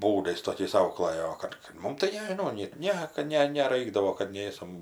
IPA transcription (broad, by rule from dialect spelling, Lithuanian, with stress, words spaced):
ˈbuːdɐɪs toːˈkʲɛɪs ˈɐʊklˠɜjoː oː ˈkɐt kɐt ˈmʊm tɐɪ nʲɛʒʲɪˈnɐʊ nʲɛt ˈnʲɛ kɐt ˈnʲɛ nʲɛˈrɐɪɡdɐʋoː kɐt ˈnʲeːsɐm